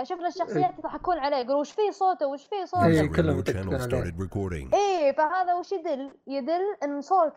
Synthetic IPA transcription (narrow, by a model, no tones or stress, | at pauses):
ʃʊfnaʃːɑxsjaːt̪t̪aħakːuːnʕaleːɡʊɾuːʃfiːsˤoːt̪awɪʃfiːsˤoːiːkʊlːamat̪aʕalḛːʔiːfahaːðawɪʃjɪd̪ɪljɪd̪ɪlʔɪnːsˤoːt̪